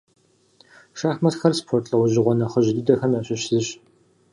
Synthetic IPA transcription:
ʃaːxmɐtxɐrspʰoːrtʼɐwʊʑɪʁʷɔnɐχəʒɪdɨdɐxɐmaɕɪɕzɨɕ

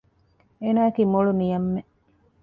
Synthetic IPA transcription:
eːnaːekiːmoɭunijɐmːe

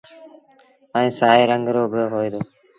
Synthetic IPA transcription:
əĩːsaːiːɾəŋɡɾoːbʱɽoːɦoːiːd̪oː

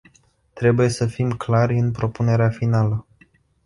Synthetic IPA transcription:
t̪ɾe̞buje̞səfimklarʲɨnpɾo̞pune̞ɾeafinalə

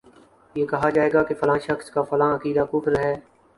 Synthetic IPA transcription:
jeːkɐɦaːd͡ʒaːeːɡaːkefəlãːʃəxskaːfɐlãːəkiːd̪aːkʊːfɾɦɛː

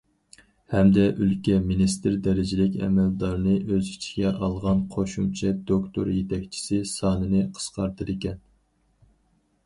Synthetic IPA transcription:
hɛmd̪ɛʔylkʲɛminist̪ɪɾd̪ɛɾɪd͡ʒɪlɪkʲɛ̰mɛld̪ɑɾnɨʔøzit͡ʃʰɡʲɛʔɑlˠʁɑnqʰoʃumt͡ʃʰɛd̪okt̪ʰo̰ɾjet̪ʰɛkʲt͡ʃʰi̥sɪsɑːnɨnɨqʰə̥sqɑɾt̪ʰɨɾɪkʲɛn

